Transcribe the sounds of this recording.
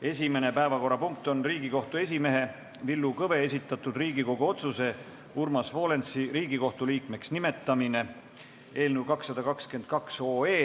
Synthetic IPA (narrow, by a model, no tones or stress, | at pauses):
e̞sʲime̞ne̞pæe̞vɑko̞rːɑpuŋk̚t̪o̞nriːɡ̥iko̞ht̪ue̞s̬ʲime̞ɦe̞ | vilːukɤve̞esit̪ːˑɑt̪ːˑud̪riːɡiko̞ɡ̥uo̞t̪suse̞ | urmɑsvo̞ːle̞nsiɾiːɡ̥iko̞ht̪uliːkme̞ksnime̞t̪ːˑɑmine̞ | e̞ːlnuwkɑksːɑd̪̥ɑkɑkske̞nd̪̥̚kɑkso̞ːe̞ː